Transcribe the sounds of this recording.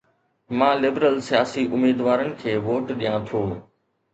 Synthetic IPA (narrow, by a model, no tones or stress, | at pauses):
mãːlɪbɾəlsijaːsiʔʊmiːd̪ʋaːɾənɪ̆kʰeːʋoːʈɗijãːt̪ʰoː